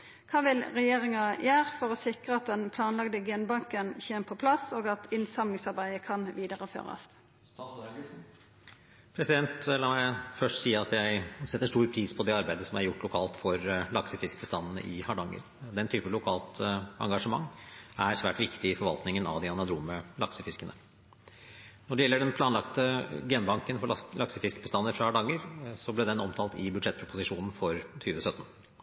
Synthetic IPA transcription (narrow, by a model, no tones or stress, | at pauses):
kʰɑːʋɪlʁɛjeːʁɪŋɑjæːʁfɔʁɔsɪkʁəɑt̪̚d̪ɛnpʰlɑːnlɑɡd̪əɡenbɑŋkənçeːməpʰɔpʰlɑsoːɡɑt̪ʰɪnsɑmlɪŋsɑɾbæɪəkʰɑnʋiːd̪ɑʁəfø̰ːʁɑ̰s | pʰɾɛsɪd̪ɛnt̪lɑːmæɪfœʂʈsiːɑt̪ʰjæɪsɛt̪ːəʂʈuːɾpʰɾiːspʰɔd̪ɛɑɾbæɪd̪əsɔmæɾjʊʈːlʊkʰɑːlt̪fɔɾlɑksəfɪsk̚bəst̪ɑnːənə̰ʔɪhɑɖɑŋːə̰ɾ | d̪ɛnt̪ʰyːpəlʊkʰɑːlt̪ɑ̰ŋɡɑʂəmɑ̰ŋːæɾsʋæːʈʋɪkt̪ɪɪfɔɾʋɑ̰lt̪nɪŋənɑ̰ʋd̪ɪɑnɑd̪ɾuːməlɑksəfɪskənə̰ | nɔɖɛjɛlːəɖɛnpʰlɑːnlɑkt̪əɡɛːnbɑŋkənfɔlɑksəfɪskbəst̪ɑnːəɾfɾɑhɑɖɑŋːəɾsɔblɛd̪ɛnɔmt̪ʰɑːlt̪ɪbʉd̪ʂɛt̪pʰɾʊpʊsɪʂuːnn̩fɔɾt̪ʰyːʋəsœt̪n̩